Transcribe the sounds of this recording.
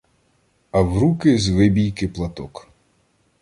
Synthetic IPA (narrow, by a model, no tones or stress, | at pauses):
ɐwɾukɪzʋɪbʲijkɪplˠɐt̪ɔk